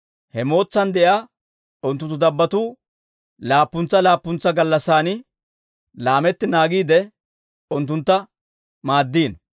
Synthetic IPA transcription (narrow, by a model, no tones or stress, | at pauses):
hɛmo̞ːt͡sːɐnd̪ɛjaː | ʊnt̪ːʊnt̪ːʊd̪ɐbːɐt̪uː | laːpːʊnt͡sːɐlaːpːʊnt͡sːɐɡɐlːɐsːaːnɪ | laːmɛt̪ːɪnaːɡiːd̪ɛ | ʊnt̪̬ːʊnt̪ːɐ | maːd̪ːiːn